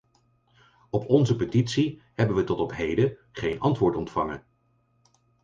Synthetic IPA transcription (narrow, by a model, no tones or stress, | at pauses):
ɔpʰɔnzəpətitsi | hɛbənʋətɔtɔpɦejdəχejnʔɑntʋʊːɹtɔntfɑŋə̰